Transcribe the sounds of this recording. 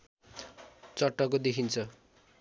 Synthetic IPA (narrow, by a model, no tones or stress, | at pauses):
t͡sʌʈːʌkod̪ekʰint͡sʰʌ